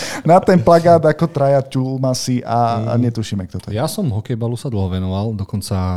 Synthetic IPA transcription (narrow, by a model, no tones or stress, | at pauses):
nat̪ɛnplaɡaːd̪akɔt̪ɾajaculmasiʔaɲɛt̪uʃimɛk̚t̪ɔt̪ɔ̰jasɔmɦɔkɛjbalusad̪l̩ɦɔʋɛnɔʋald̪ɔkɔnt͡sa